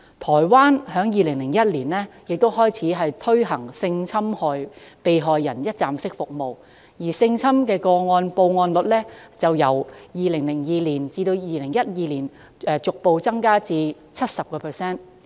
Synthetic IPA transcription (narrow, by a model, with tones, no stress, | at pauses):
t̪ʰɔː˨˩jwaː˥nhœː˨˥ŋjiː˨˧lɪ˨˩ŋlɪ˨˩ŋjɐ˥t̚liː˨˩nlɛː˥jɪ˨k̚t̪o˥wɦɔː˥jt͡sʰiː˨˥ɦɐ˨jt̪ʰɵ˥ɥɦɐ˨˩ŋsɪ˧ŋt͡sʰɐ˥mhɔː˨˧jpe˨jɦɔː˨jːɐ˨˩njɐ˥t̚t͡saː˨msɪ˥k̚fʊ˨k̚mo˨w | jiː˨˩sɪ˧ŋt͡sʰɐ˥mkɛː˧kɔː˧ŋɔː˧npo˧wŋɔː˧nlɵ˨˩t̚lɛː˥t͡sɐ˨wjɐ˨˩wjiː˨lɪ˨˩ŋlɪ˨˩ŋjiː˨˧liː˨˩nt͡siː˧t̪o˧wjiː˨˧lɪ˨˩ŋjɐ˥t̚jiː˧liː˨˩n | ɛː˨˧t͡sʊ˨k̚po˨˧wt͡sɐ˥ŋkaː˥t͡siː˧ | t͡sʰɐ˥t̚sɐ˨p̚kɔː˧pʰɛː˨˩sɛː˥n